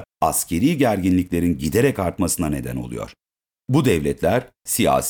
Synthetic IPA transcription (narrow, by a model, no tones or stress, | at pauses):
ascʰe̞ɾiːɟæɾɟinlʲicʲlʲe̞ɾinɟid̪eɾɛcaɾt̪masɯnane̞d̪æno̞̰lˠṵjo̞̰ɾ̥ | bud̪ɛvlʲɛt̪ʰlʲæɾ̥ | sija̰ːs